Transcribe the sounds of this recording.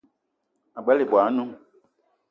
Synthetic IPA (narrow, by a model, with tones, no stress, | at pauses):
a˨ɡ͡bɛ˨˦le˨bwa˨˦nũ˦